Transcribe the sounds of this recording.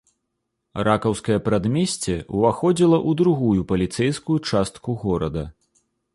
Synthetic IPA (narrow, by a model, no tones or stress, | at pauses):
ɾakɐwskɐjɐpɾad̪mʲɛsʲt͡sʲɛuvaxɔd͡zʲilˠɐʔud̪ɾuɣujupɐlʲit̪sɛjskujut͡ʂast̪kuɣɔɾɐd̪ɐ